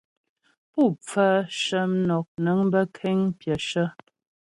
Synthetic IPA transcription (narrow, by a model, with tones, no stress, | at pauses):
pu˦˨p͡fə˦ʃə˦m˦nɔ˨k̚nə˨˦ŋ˦bə˦kʰɛ˦ŋpjə˨ʃə˦